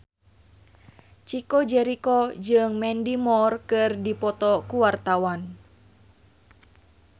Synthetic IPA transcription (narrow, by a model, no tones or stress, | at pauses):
t͡ʃikɔd͡ʒɛɾikɔd͡ʒɨŋmɛndimɔrkɨrdipɔt̪ɔkuwart̪awan